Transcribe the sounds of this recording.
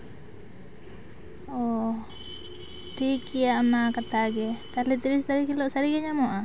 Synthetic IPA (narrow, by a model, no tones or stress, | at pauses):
ɔ | ʈikiaʔnakat̪aɡɛt̪alit̪iɾist̪aɾikilɔʔsaɾiɡɛɲamɔʔa